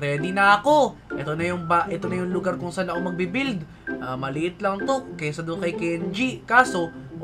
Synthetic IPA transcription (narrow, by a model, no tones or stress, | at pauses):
pɾɛːd̪ɪnɐɐko̞ʔɛt̪onɐjʊŋbɐʔɛt̪onɐjʊŋlʊɡaɾkʊŋsanːɐkomɐɡ̚bɪbild̪ | ʔamɐlɪʔɪt̪lɐŋt̪okɐjasɐd̪okɐjkɛnd͡ʒikaːso̞